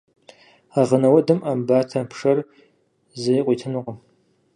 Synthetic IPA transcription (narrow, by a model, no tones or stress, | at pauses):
aʁənɐwɐdɨmʔambaːtʰɐpʰʂɐr | zɐjqʷʼiːtʰɨnʊqəm